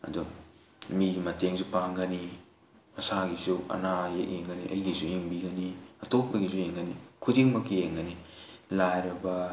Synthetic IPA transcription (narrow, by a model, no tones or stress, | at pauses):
ɐ̰du | miɡimɐteŋsupaŋɡɐni | mɐsaɡisuɐ̰najeʔ̚eŋɡɐniʔɐ̰jɡisujeŋbiɡɐniɐtop̚ːɐɡisujeŋɡɐnikʰudiŋmɐkːijeŋɡɐnilajɾɐbɐ